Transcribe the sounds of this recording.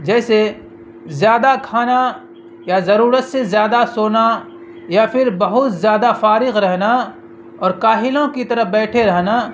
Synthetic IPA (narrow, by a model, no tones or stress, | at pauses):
d͡ʒɛːse | zjaːd̪akʰaːna | jazɐɾuːɾət̪sezjaːd̪asoːna | japʰɪɾbɐɦʊt̪zjaːd̪afaːɾɪɣɾɛɦna | ɔːɾkaːɦɪlõkit̪ɐɾəɦbɛːʈʰeɾɛɦna